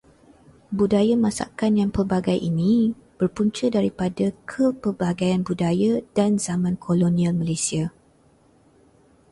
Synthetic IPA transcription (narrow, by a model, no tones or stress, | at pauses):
budajamãsa̰kanjaŋpərbaɡajʔinĩ | b̥ərpuɲt͡ʃədaɾipadakʰəpərbaɡajanbudajadanzamãnkʰolonĩalmãlesia